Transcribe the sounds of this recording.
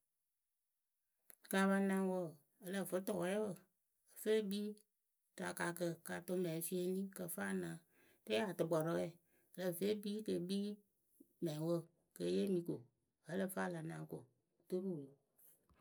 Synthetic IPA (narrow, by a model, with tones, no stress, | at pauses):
ka˨βa˧nã˧wə˦˨ | ə˨lə˦˨fɨ˦tɔ˨kɛ˦wə˨ | ə˨fe˦biː˦ | ta˨ka˨kə˧ka˨to˧mɛ˨fi˦e˧nĩ˦kə˨fa˦nãː˨˦ | te˦a˨tɨ˨ɡ͡bɔ˨ɾɔ˧˦ɣɛ˦˨ | ə˨lə˨fe˦biː˦kə˨˦biː˦ | mɛ̃˨wə˦˨ | kə˧˨˦je˦mĩ˧˦ko˨ | hə˦lə˦˨fa˦˨la˨nã˨˦ko˨ | to˦ɾu˦˨lo˨